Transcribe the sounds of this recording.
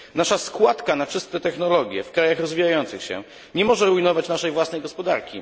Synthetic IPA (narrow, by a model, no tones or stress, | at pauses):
naʂaskwat̪kanat͡ʂɘst̪ɛt̪ɛxnɔlɔɡʲjɛ̰fkɾajaxɾɔzvʲijajɔnt̪sɘxɕɛ̰ | ɲɛmɔʐɛɾuinɔvat͡ɕnaʂɛjvwasnɛjɡɔspɔd̪a̰ɾkʲḭ